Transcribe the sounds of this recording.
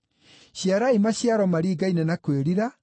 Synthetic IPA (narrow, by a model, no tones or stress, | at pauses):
ɕjaɾaimaɕjaɾɔmaɾiːɡainɛnakweɾiɾa